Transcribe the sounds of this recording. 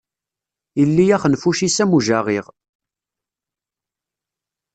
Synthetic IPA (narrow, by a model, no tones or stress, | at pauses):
ilːijæχənfuʃisæmuʒaʁiʁ